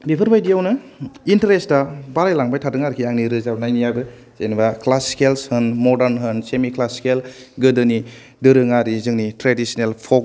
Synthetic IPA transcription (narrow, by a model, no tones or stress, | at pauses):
bipʰɯɾbajdijawnɯ | intɾesdabaɾajlaŋbajtʰatɯŋaɾkʰiaŋniɾɯzabnajnijabɯ | z̥enbaklaskelshɯnmɔdaɾnɦɯnsemiklaskel | ɡɯdɯni | dɯɾɯŋaɾizɯŋnitɾedisinelpʰɔk